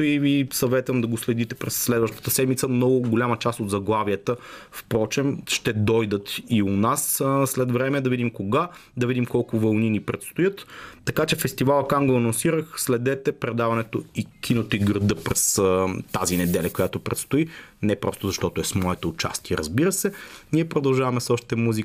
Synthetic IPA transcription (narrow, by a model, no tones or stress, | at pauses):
ivisɐvɛt̪vəmd̪ɐɡoslɛd̪it̪ɛpɾɛsːlɛd̪vəʃt̪ə̥t̪əsɛd̪mit̪səmnɔɡʊɡʊlʲamət͡ʃast̪od̪zɐɡlˠavijət̪əfpɾɔt͡ʃɛmʃt̪ɛd̪ɔjd̪ət̪iʊnasslɛt̪vɾɛmɛd̪ɐvid̪imkoɡad̪ɐvid̪imkɔlˠkʊvɐlˠninipɾɛt̪st̪ʊjɤt̪ːɐkat͡ʃɛfɛst̪ivalˠɐkaŋɡoɐnonsiɾəxslɛd̪ɛt̪ɛpɾɛd̪avɐnɛt̪oikʰʲinət̪oiɡɾəd̪ɤpɾɛst̪azinɛd̪ɛlʲɐkojat̪opɾɛt̪st̪ʊinɛpɾɔst̪ʊzɐʃt̪ɔt̪oɛsmɔɛt̪oʊt͡ʃa̰st̪iɛɾɐzbiɾəsɛniɛpɾod̪ɐlˠʒavɐmɛsɔʃt̪i̥t̪ɛmuzi